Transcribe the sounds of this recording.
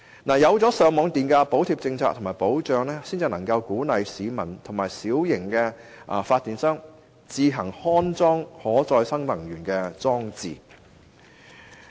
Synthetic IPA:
naː˨˩jɐ˨˧wt͡sɔː˨˥sœː˨˧ŋmɔː˨˧ŋt̪iː˨nkɛ˧po˨˥wt̪ʰiː˧p̚t͡sɪ˧ŋt͡sʰaː˧t̪ʰmaː˨˩jpo˨˥wt͡ʃœː˨˧ŋlɛː˥siː˥nt͡si˨nɐ˨˩ŋkɐ˧wkuː˨˥nɐ˨jsiː˨˧mɐ˨˩nt̪ʰʊ˨˩ŋmaː˨˩jsiː˨˥wjɪ˨˩ŋkɛː˧ | ʔfaː˧t̚t̪ːiː˨˩nsœː˥ŋ | t͡siː˧ɦɐ˨˩ŋhɔː˥nt͡sɔː˥ŋhɔː˨˥t͡sɔː˧jsɐ˥ŋlɐ˨˩ŋjyː˨˩nkɛː˧t͡sɔː˥ŋt͡sḭː˨

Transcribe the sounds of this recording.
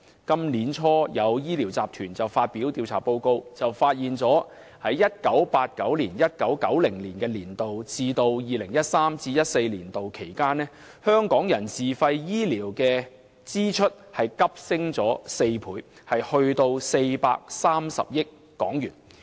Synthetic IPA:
kɐ˥mliː˨˥nt͡ʃʰɔː˥jɐ˨˧wjiː˥liː˨˩wt͡saː˨p̚t̪ʰyː˨˩nt͡sɐ˨wfaː˧t̚pi˨˥wt̪iː˧wt͡sʰa̰ː˨˩po˧wko˧wt͡sɐ˨wfaː˧t̚jiː˨nt͡sɔː˨˥ | hɐ˨˥jːɐ˥t̚kɐ˨˥wpaː˧t̚kɐ˨˥wliː˨˩njɐ˥t̚kɐ˨˥wkɐ˨˥wlɪ˨˩ŋliː˨˩nkɛː˧liː˨˩nt̪o˨wt͡siː˧t̪o˧wjiː˨lɪ˨˩ŋjɐ˥t̚saː˥mt͡siː˧jɐ˥t̚se˧jliː˨˩nt̪o˨wkʰe˨˩jkaː˥nɛː˥ | hœː˥ŋkɔː˨˥ŋjɐ˨˩nsiː˨˩fɐ˧jjiː˥liː˨˩wkɛː˧ | t͡siː˥t͡ʃʰɵ˥t̚hɐ˨jkɐ˥p̚sɪ˥ŋt͡sɔː˨˥se˧jpʰuː˨˥jhɐ˨jhɵ˧ɥt̪o˧wse˧jpa̰ː˧k̚saː˥msɐ̰˨p̚jɪ˥kːɔ̰ː˨˥ŋjyː˨˩n

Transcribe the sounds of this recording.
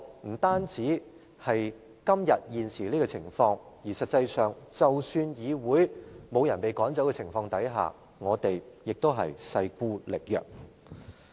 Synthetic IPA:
m̩˨˩t̪aː˥nt͡siː˨˥ | hɐ˨j | kɐ˥mjɐ˨t̚jiː˨nsiː˨˩liː˥kɔ˧t͡sʰɪ˨˩ŋfɔː˧ŋ | jiː˨˩sɐ˨t̚t͡sɐ˧jsœː˨ŋt͡sɐ˨wsyː˧njiː˨˧wuː˨˧jmo˨˧wjɐ˨˩npe˨jkɔː˨˥ŋt͡sɐ˨˥wkɛ˧t͡sʰɪ˨˩ŋfɔː˧ŋt̪ɐ˨˥jɦa̰ː˨ | ŋɔː˨˧t̪e˨jjɪ˨k̚t̪o˥wɦɐ̰˨jsɐ˧jkuː˥lɪ˨k̚jœ̰ː˨˩k̚

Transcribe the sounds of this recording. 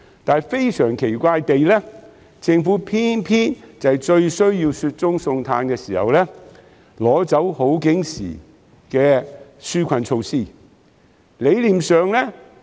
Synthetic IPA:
t̪aː˨˧nfe˥jsœː˨˩ŋkʰe˨˩jkʷaː˧jt̪e˨jlɛ˥ | t͡sɪ˧ŋfuː˨˥pʰiː˥npʰiː˥nt͡sɐ˨jt͡ʃɵ˧ɥsɵ˥ɥjiː˧wsyː˧t̚t͡sʊ˥ŋsʊ˧ŋt̪ʰaː˧nkɛː˧siː˨˩hɐ̰˨wlɛː˥ | lɔː˨˥t͡sɐ˨˥who˨˥wkɪ˨˥ŋsḭː˨˩ | kɛː˧syː˥kʷʰɐ˧nt͡ʃʰo˧wsiː˥˩ | le˨˧jliː˨˩msœː˨ŋlɛ˥

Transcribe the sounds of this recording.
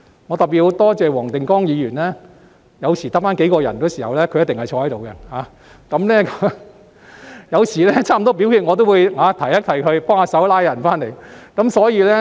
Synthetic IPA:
ŋɔ˨˧t̪ɐ˨p̚piː˨t̚ho˨˧˥wt̪ɔː˥t͡sɛː˨˧wɔː˨˩ŋt̪ɪ˨ŋkɔː˥ŋjiː˨˧jyː˨˩nlɛː˥ | jɐ˨˧wsiː˨˩t̪ɐ˥k̚faː˥nke˨˥jkɔː˧jɐ̰˨˩nkɔ˨˧˥siː˨˩hɐ˨wlɛː˥kʰɵ˨˧jɐ˥t̪ɪ˨ŋhɐ˨jt͡ʃʰɔː˧hɐ˨˥jt̪o˨wkɛ˧haː˨˧˦ | kɐ˨˦mlɛː˥k | jɐ˨˧wsiː˨˩lɛ˥t͡ɕʰaː˥m˨˩t̪ɔː˥p̬i˨˥whiː˧t̚ŋɔː˨˧t̪̬o˥wuː˨˧jhaː˨˧t̪ʰɐ˨˩jɐ˥t̚t̪ʰɐ˨˩jkʰɵ˧ɥpɔː˥ŋaː˧sɐ˨˥wlaː˥jɐ˨˩nfaː˥nle˨˩jkɐ˨˦˥msɔː˨˥jiː˧lɛː˥

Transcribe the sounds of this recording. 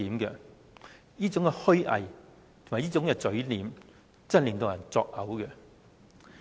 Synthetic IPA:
iː˨mkɛ˧ | jiː˥t͡sʊ˨˥ŋkɛ˧hɵ˥ɥʔɐ̰˨j | t̪ʰʊ˨maː˨˩jiː˥t͡sʊ˨˥ŋkɛː˧t͡sɵ˨˥ɥliː˨˥m | t͡sɐ˥nle˨˩ŋt̪o˧wjɐ˨˩nt͡sɔ̰ː˧k̚hɐ˨˥wkɛ˧

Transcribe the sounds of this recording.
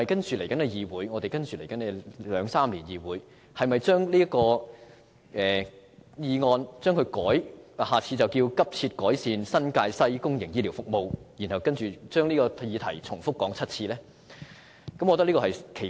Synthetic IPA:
ɐ˨jkɐ˥nt͡ʃyː˨le˨˩jkɐ˨˥nɛ˧jiː˨˧wuː˨˥jŋɔː˨˧t̪e˨jkɐ˥nt͡ʃyː˨le˨˩jkɐ˨˥nɛ˧lœː˨˧ŋsaː˥mliː˨˩njiː˨wuː˨˥j | hɐ˨jmɐ˨jt͡ʃœː˥ŋliː˥ɐ˥kɔː˧ | ʔɛː˨˩ | jiː˨˧ŋɔː˧nt͡ʃœː˥ŋkʰɵ˧ɥkɔː˨˥jhaː˨t͡sʰiː˧t͡sɐ˨wkiː˧wkɐ˥p̚t͡sʰiː˧t̚kɔː˨˥jsiː˨˧nsɐ˥nkaː˧jsɐ˥jkʊ˥ŋjɪ˨˩ŋjiː˥li˨˩wfʊ˥k̚mo˨˧wjiː˨˩nhɐ˨wkɐ˥nt͡ʃyː˨t͡ʃœː˥ŋliː˥kɔː˧jiː˨˧t̪ʰɐ˨˩jt͡sʰʊ˨˩ŋfʊ˥kːɔː˨˥ŋt͡sʰɐ˥t̚t͡sʰiː˧lɛː˥ | kɐ˨˥mɔ˨˧t̪ɐ˥liː˥kːɔ˧ɐ˨jkʰe˨˩

